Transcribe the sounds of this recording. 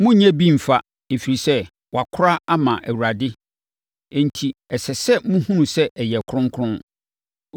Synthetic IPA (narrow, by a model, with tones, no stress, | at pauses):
mʊ̃˦ɲæ̃˦bi˦˨m̩˨fa˦ | e˨fi˨ɾi˨sɛ˦ | wa˨kʰʊ˦ɾa˦a˦mã˨ʔæ˨wu˨ɾa˨dɪ˦ | ɛ̃˨n̩˨tʰi˨ɛ˨sɛ˨sɛ˦mũ˦hũ˦˨sɛ˦ʔɛ˨jɛ˨kʰʊ̃˦ŋ˦kʰʊ̃˦n